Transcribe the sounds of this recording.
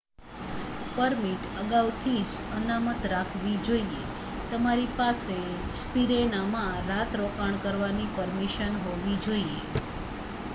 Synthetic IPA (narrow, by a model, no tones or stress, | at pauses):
pəɾmiʈəɡaʋt̪ʰid͡ʒənamət̪ɾakʰʋid͡ʒoiḛ | t̪əmaɾipase | siɾenamãɾat̪ɾokaɳ̃kəɾʋanipəɾmiʃənɦoʋid͡ʒoiḛ